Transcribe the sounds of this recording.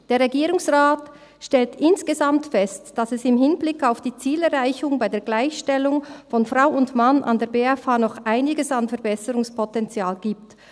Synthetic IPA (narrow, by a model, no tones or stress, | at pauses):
d̥eːʁeɡiːɾʊŋsʁaːt | ʃtɛltʔɪnsɡ̥ezamtfɛstd̥asɛsɪmɦɪnblɪkaʊfd̥iːt͡siːlɛʁʁaɪçʊŋbaɪdeːɐɡlaɪçʃtɛlʊŋfɔnfʁaʊʊntmanʔa̰ndeːɐbeːafaːnɔχʔaɪnɪɡəsanfɛɐbɛsəɾʊŋspʰɔtɛnt͡sjaːlɡiːpt